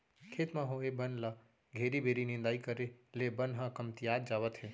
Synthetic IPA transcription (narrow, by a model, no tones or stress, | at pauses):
kʰet̪mãɦõebənla | ɡʱeɾibʱeɾinɪ̃nd̪aːikəɾelebənɦãkəmt̪iad̪̚d͡ʒaʋət̪ɦe